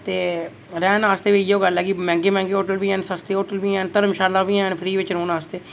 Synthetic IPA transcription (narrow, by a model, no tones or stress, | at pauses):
t̪eː | ɾɛːnaːst̪eːʋiːɪjoːɡəlɦɛːɡimɛ̃ːŋɡeːmɛ̃ːŋɡeːɦoːʈəlʋiːɛ̃ːnsast̪eːɦoːʈəlʋiːɛ̃ːnt̪əɾəmʃaːlaːʋiːɛ̃ːɳpʰɾiːʋɪt͡ʃɾõːnaːst̪eː